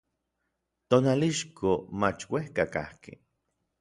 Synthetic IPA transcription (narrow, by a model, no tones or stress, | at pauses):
t̪onaliʃkʰomat͡ʃwehkaka̰hkḛ